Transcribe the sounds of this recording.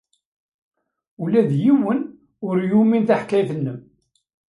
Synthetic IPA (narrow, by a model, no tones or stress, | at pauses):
ulæðjiwən | ʊɾjuminθaħkːæjθənːəm